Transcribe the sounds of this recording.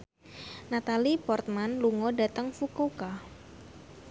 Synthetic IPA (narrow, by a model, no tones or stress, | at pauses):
nat̪alipɔrt̪̚manluŋodat̪əŋfukoka